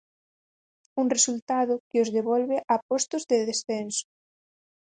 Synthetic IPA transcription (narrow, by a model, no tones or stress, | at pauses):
uŋresult̪aðʊkɪozðeβɔlβeʔapost̪ʊzðɪðesθensʊ̥